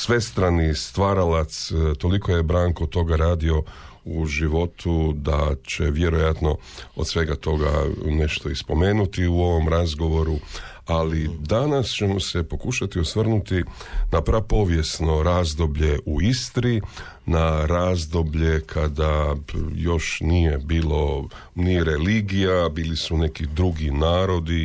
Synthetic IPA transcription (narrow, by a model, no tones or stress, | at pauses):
sʋe̞st̪ɾanist̪ʋaːɾalat̪st̪o̞likʰo̞je̞bɾaːŋkot̪o̞ɡaɾaːd̪io̞ | uʒiʋo̞t̪ʰud̪at͡ɕe̞ʋje̞ɾo̞jat̪no̞ | o̰d̪sʋe̞ɡat̪o̞ɡa̰ne̞ʃt̪o̞ispo̞me̞ːnut̪iuo̞ʋo̞mɾazɡo̞ʋo̞ɾu | alid̪anast͡ɕe̞mose̞po̞kuʃat̪iosʋr̩nut̪inapɾapo̞ʋje̞sno̞ɾaːzd̪obʎe̞ʔuist̪ɾi | naɾaːzd̪o̞bʎe̞kʰad̪ajo̞ʃnije̞biːlo̞ | niɾe̞liːɡijabiːlisune̞kid̪ɾuɡinaːɾo̞d̪i